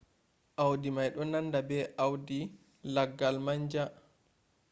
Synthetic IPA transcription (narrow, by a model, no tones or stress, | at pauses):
ʔawdimajɗɔnandabɛʔawdi | laɡːalmaɲd͡ʒa